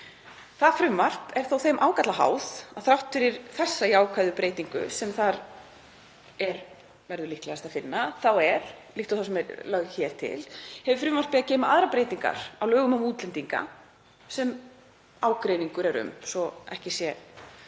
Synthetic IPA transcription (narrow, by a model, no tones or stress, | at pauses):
θaðfɾʏmːar̥pɛɾ̥θowθejmʔaːwkat̪laɦa̰ːwð̥aðθɾawht̪ʏɾiɾθɛsːaiaːwkʰvajðʏpɾeːjt̪iŋkʏ̰sɛmθaɾ | ɛɾ | vɛɾðʏlihklɛast̪aðfɪnːaθawɛɾ̥liht̪awθas̬ɛmɛɾlœɣçɛːɾ̥t̪ʰɪ̰lhɛvʏfɾʏːmar̥pɪacɛːmaʔaðɾapɾeːjt̪iŋka̰ɾ̥awlœːɣʏmʏmuːt̪lɛnt̪iŋka̰ | sɛm | aːwkɾejniŋkʏɾɛɾʏ̰msɔɛ̰hcɪsjɛ